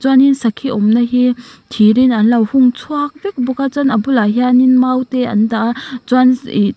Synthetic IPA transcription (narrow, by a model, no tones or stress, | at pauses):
zwaninsɐkʰːiɔmnɐɦitʰiɾinanlawhuŋt͡sʰuak̚bik̚bɔkazanɐbulaɦjaninmawteɐ̰ndazwan